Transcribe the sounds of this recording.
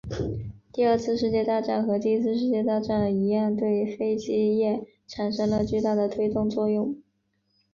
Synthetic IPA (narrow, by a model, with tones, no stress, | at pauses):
t̪i˥˧ə˞˥˧t͡sʰɹ̩˥˧ʂ̬ɻ̩˥˧t͡ɕjɛ˥˧t̪a˥˧ʈ͡ʂa˥˩nxɤ˧˥t̪i˥˧˥t͡sʰɹ̩˥˧ʂ̬ɻ̩˥˧t͡ɕjɛ˥˧t̪a˥˧ʈ͡ʂa˥˩nd̪ə˩i˧˥a˥˧nt̪we˥˩ɪfe˥ɪt͡ɕi˥jɛ˥˩ | ʈ͡ʂʰa˨˩nʂɤ˥ŋlə˧t͡ɕy˥˧t̪a˥˩d̪ə˩t̪ʰwe˥ɪt̪ʊ˥˧ŋt͡swɔ˥˧jʊ˥˩ŋ